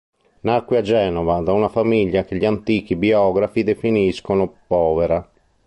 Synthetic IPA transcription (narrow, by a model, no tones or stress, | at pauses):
nakwead͡ʒɛːnɔvad̪aunafamiʎːak̟eʎiant̪iːk̟ibiɔːɡɾafid̪efiniskonopɔːveɾa